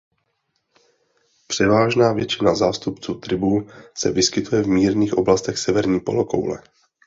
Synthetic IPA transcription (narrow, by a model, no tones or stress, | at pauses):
pr̥ɛvaːʒnaːvjɛt͡ʃɪnazaːst̪upt͡suːt̪ɾɪbuːsɛ̰vɪskɪt̪ujɛvmiːɾniːxʔo̞blast̪ɛxsɛvɛɾɲiːpoloko̰wlɛ̰